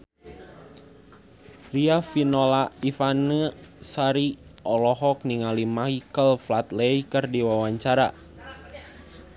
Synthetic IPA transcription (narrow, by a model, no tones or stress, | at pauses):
riafinɔlaifanəsaɾiɔlɔɦɔk̚niŋalimaɦikəlflat̪lɛikərdiwawaɲt͡ʃaɾa